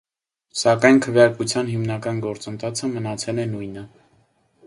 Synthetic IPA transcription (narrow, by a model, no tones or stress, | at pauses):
sɑkɑjnkʰəvjɑɾkut͡sʰjɑnɦimnɑkɑnɡɔɾt͡sənt̪ʰɑt͡sʰəmənɑt͡sʰɛlɛnujnə